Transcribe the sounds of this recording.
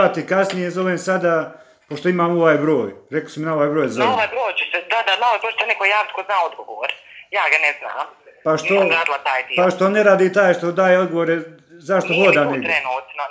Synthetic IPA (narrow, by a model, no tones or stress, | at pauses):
at̪ikasnijezo̞ʋeːmsad̪a | poʃt̪o̞imaːmoʋaːjbɾo̞ːjɾeko̥siminaoʋaːjbɾo̞ːjzoʋeoʋaːjbɾoːjt͡ʃusesad̪aznalopoʃt̪onikojjaːʋɪt̪̚koznaod̪ɡoʋoːɾjaːɡanɛzna̰ːmpaʃtioɾaːd̪ɪlat̪aːjt̪ipaʃt̪o̞neɾaːd̪iːt̪aːjʃt̪od̪aːjeod̪ɡo̞ʋoɾe | zaʃt̪o̞hod̪aːneɡ̪ɾenuːt̪no